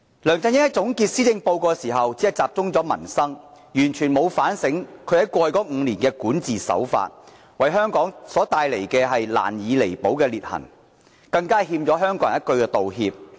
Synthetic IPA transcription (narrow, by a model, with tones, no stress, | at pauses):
lœː˨˩ŋt͡sɐ˧jɪ˥jɐ˥t̚t͡sʊ˨˥ŋkiː˧t̚siː˥t͡sɪ˧ŋpo˧wkɔː˧siː˨˩ɦɐ˨wt͡siː˨˥ɐ˨˩t͡saː˨p̚t͡sʊ˥ŋt͡sɔː˨˥mɐ̰˨˩nsɐ˥ŋ | jyː˨˩nt͡ʃʰyː˨˩nmo˨˧wfaː˨˥nsɪ˨˥ŋkʰɵ˨˧hɐ˨˥jkʷɔː˧jkɔː˨˥ŋ̩ː˨˧liː˨˩nkɛː˧kuː˨˥nt͡siː˨sɐ̰˨˥wfa̰ː˧t̚ | wɐ˨˩jɦœː˥ŋkɔː˨˥ŋsɔː˨˥t̪aː˧jle˨˩jkɛː˧ɦɐ˨jla̰ː˨˩njiː˨˧le˨˩jpo˨˥wkɛː˧liː˨t̚hɐ̰˨˩ŋ | kɐ˧ŋkaː˥hiː˧mt͡sɔː˨˥ɦœː˥ŋkɔ˨˧˥ŋɐ˥t̚kɵ˧ɥkɛ˧t̪o˨wɦḭː˧p̚